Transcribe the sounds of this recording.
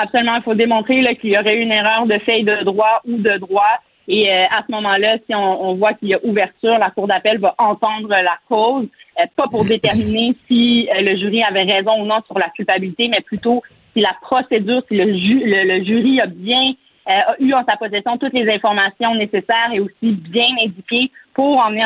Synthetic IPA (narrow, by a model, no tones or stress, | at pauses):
apsolymɑ̃ilfod̪emɔ̃t̪χelʌkʲiljɔʁɛyyneʁœːʁd̪əfɛjd̪əd̪ʁwaud̪əd̪ʁwa | eøasəmɔmɑ̃lasiɔ̃ːvwakiljaʔuvɛʁt̪yːʁlakuʁd̪apɛlvaʔɑ̃t̪ɑ̃ːd̪ʁəlakɔːzøpapuʁd̪et̪ɛʁminesiələʒyʁiavɛʁɛzɔ̃unɔ̃syʁlakʲylpabilit̪emɛplyt̪o | silapχɔsedzyːʁsiləʒylələʒyːʁiabjɛ̃ | øyɑ̃sapɔsɛsjɔ̃t̪ut̪lezɛ̃fɔʁmasjɔ̃nesesɛːʁeosibjɛ̃nɛ̃dd͡zykʲepuʁɑ̃n